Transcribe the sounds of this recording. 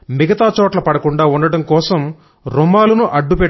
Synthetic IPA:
miɡɐt̪aːt͡ʃɔːʈlɐpɐɽɐkuɳɖaːuɳɖɐɽɐmkɔːsɐm | ɾumaːlunuʔɐɖːupɛ

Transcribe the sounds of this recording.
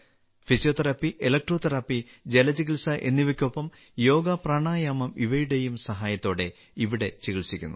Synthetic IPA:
fisjo̞ːt̪ɐɾɐpːiʔelɐk̚ʈroːt̪ɐɾapːi | d͡ʑelɐd͡ʑiɣilsɐʔe̞̰nːiʋɐkʲːopːɐm | jo̞ːɡɐpraːɳaːjaːmɐmiʋɐjuɽejumsɐɦaːjɐt̪ːo̞ːɽe̞ | iʋiɽe̞t͡ɕiɣiɭsikʲːunːu

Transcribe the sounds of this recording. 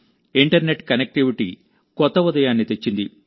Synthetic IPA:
iɳʈɐɾne̞ʈkɐnek̚ʈiʋiʈḭ | kɔt̪ːɐud̪ɐjaːnːit̪e̞t͡ʃːind̪i

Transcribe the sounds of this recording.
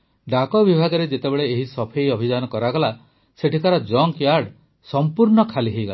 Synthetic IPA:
ɖakɔbibʱaɡɔɾed͡ʒet̪ebeɭeeɦisɔpʰejɔbʱid͡ʒanɔkɔɾaɡɔla | seʈit̪aɾɔd͡ʒɔŋkjaɾɖ | sɔmpuɾɳɔkʰaliɦejɡɔla

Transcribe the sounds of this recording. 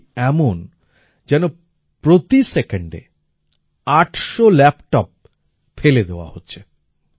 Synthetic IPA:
ɛmon | d͡ʑɛno | pɾot̪isekeɳɖḛ | aʈʃolɛpʈɔp̚ | feled̪eoa̰hotːɕʰe

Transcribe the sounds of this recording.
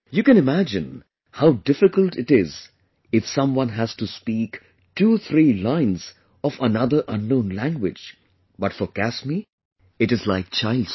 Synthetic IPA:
jɨkɨ̃nɪmæd͡ʒɪ̃n | haʊdɪfɪkəlˠʈɪʈɪz | ɪfsʌ̃mwʌ̃nɦæz̥tuspiːk | ʈʰut̪ʰɾiːlãɪ̃nz̥ | ɔfənʌd̪ə˞ʔʌ̃nːõʊ̃nlæ̃ŋɡwɪd͡ʒ | bʌtfɔkæsmi | ɨʈɨzlaɪk̚t͡ʃʰaɪlds

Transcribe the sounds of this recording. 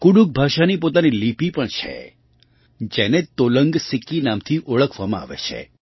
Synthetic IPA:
kuɽuk̚bʱaʃanipot̪anilipipəɳt͡ʃʰḛ | d͡ʒenet̪oləŋɡsikːinamt̪ʰiʔoɭəkʰʋamãa̰ʋḛt͡ʃʰḛ

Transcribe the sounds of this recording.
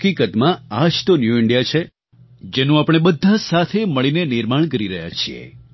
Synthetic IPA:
kikət̪mãad͡ʒt̪onjuɪɳɖijat͡ʃʰe | d͡ʒenũapɽ̃ebəd̪ʱːasat̪ʰeməɭinenɪɾmaɳkəɾiɾəɦja̰t͡ʃʰiḛ

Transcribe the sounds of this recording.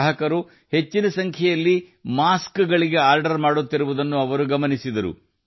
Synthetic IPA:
ɦɐkɐɾu | he̞t͡ʃːinɐsɐŋkʰɛjɐlːimaːskɡɐɭiɡe̞aːɾɖɐɾmaːɽut̪ːiɾuʋud̪ɐnːuɐʋɐɾuɡɐmɐnisid̪ɐɾṵ

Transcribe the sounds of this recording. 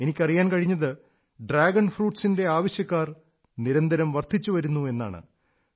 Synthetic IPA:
e̞nikʲːɐrijaːnkɐɻiɲːɐðɨ | ɖraːɡɐɳfruːʈsinde̞aːʋɐɕjɐkːaːr | niɾɐnd̪ʱɐɾɐmʋɐrt̪ʰːit͡ɕːuʋɐɾunːue̞nːa̰ːɳɨ̰

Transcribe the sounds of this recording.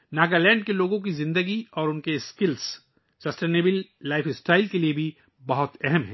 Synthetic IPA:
naːkalɛ̃ːɳɖkeloːɡõk̬izɪ̃nd̪əɡiɔːɾʊnkeskɪls | sɐsʈeːneːbɪlːaːɪfɪsʈaːɪlkeliebʱi | bɐɦʊt̪ɛɦɛmɦɛ̃ː

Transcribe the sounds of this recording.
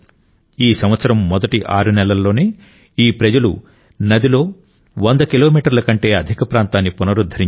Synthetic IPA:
iːsɐmʋɐt̪sɐɾɐmːɔd̪ɐʈiʔaːɾunɛlɐlːo̞ːneː | iːpɾɐd͡ʒɐlṵ | nɐd̪ilo̞ː | ʋɐnd̪ɐkilo̞ːmiːʈɐɾlɐkɐɳʈe̞ːɐd̪ʱikɐpɾaːnt̪aːnːipunɐɾud̪ʱːɐɾi

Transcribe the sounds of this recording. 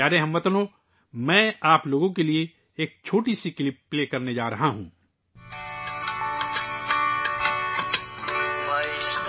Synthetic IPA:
aːɾeɦɐ̃mʋɐt̪noː | mɛ̃ːaːploːɡõkelie | eːk̚t͡ʃʰoːʈisikɪlɪp̚ːleːkɐɾned͡ʒaːɾɐɦaɦṵ̃ː | maːis

